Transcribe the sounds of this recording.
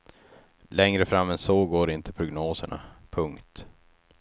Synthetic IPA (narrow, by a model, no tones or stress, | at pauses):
lɛŋɾəfɾamːɛnsoːɡoːɾɪnt̪ʰəpʰɾʊɡnoːsəɳa̰pʰɵŋkt̪